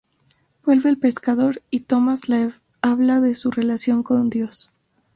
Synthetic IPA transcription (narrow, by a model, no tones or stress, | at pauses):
bwe̞lβeːlpe̞skaðo̞ɾit̪o̞mazla | aβlaðe̞sure̞lasjo̞ŋko̞nd̪jo̞s